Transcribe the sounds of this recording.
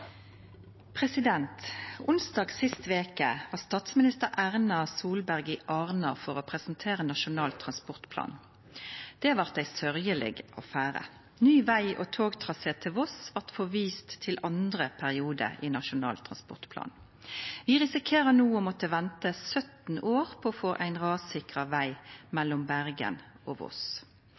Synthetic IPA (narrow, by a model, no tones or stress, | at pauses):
pʰʁɛsɪd̪ɛnt̪ʊnsd̪ɑːɡsɪst̪ʋeːkə̰ʋɑːʁst̪ɑːt̪smɪnɪst̪əʁʔæʁnɑsuːlbæʁɡɪʔɑːʁnɑfɔʁopʰʁɛsn̩t̪ʰeːʁənɑʃʊnɑːlt̪ʰʁɑnspɔʁt̪pʰlɑ̰ːn | d̪̥ɛʋɑʁt̪̚d̪æɪsœʁjəlɛ̰ɡʔo̰ːfæːʁə̰ | nyːʋæɪʔoːt̪ʰoːɡt̪ʰʁɑseːt̪ʰɪʋɔsʋɑʁt̪fɔʋiːst̪ʰːɪlʔɑnd̪ʁəpʰæʁɪuːd̪ə̰iːnɑʃʊnɑ̰ːlt̪ʰʁɑ̰nspɔʁt̪pʰlɑ̰ːn | ʋɪʁɪsɪkʰeːʁənuːɔmɔt̪əʋɛnt̪əsœt̪n̩oːʁpʰɔɔfoːʔæɪnʁɑːdsɪkʁɑʋæɪmɛlːɔmbæʁɡə̰n | ʔoːʋɔ̰s